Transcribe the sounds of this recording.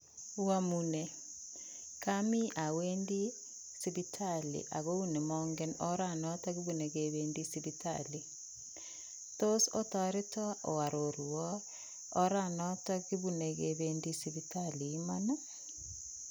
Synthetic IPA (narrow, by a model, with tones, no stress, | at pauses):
wwa˦munɛ˨ | ka˦mi˦ʔa˨we˦ndi˦ | si˦βi˦tʰalḭ˨ʔa̰˨ɣo˦u˦ne˨mɔŋɡɛ˦nɔ˦ɾa˨nɔ˦ta˦ɡi˦βu˨ne˨ɣe˨βe˨ndi˦siβita̰li˨ | to˦so˦tɔ˨ɾɪ˦tɔ˦ɔ˨wa˨ɾo˨ɾu˨ɔː˦ | ɾa˨nɔ˦ta˦ki˦βu˦ne˨ɣe˨βe˦ndi˦siβitʰaliː˨˦ma˦na˦